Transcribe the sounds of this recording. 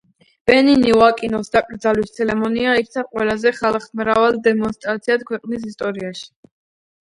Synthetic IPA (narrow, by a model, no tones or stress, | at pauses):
b̥ɛniniuakʼinɔsd̪akʼɾd̪zalit̪sʰɛlɛmɔniaikt̪sʰaqʼwɛlazɛχalˠχmɾavalˠd̪ɛmɔnst̪ʼɾat̪sʰiat̪̚kʰwɛqʼnis̬ist̪ʼɔɾiaʃi̥